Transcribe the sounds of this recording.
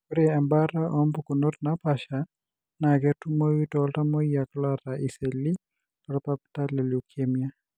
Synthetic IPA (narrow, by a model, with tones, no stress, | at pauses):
koɾɛa˨mba˦ɾa˦ʔɔ˦mbukuno˦tna˦pa˨ʃa | na˨kɛ˦tu˦mo˦wi˦tɔlta˦mɔ˦ia˨kla˦ɾaʔi˨se˨li˦ | ɔ˨ɾapa˦p̚ta˦lɛ˨lu˨kʰemija˦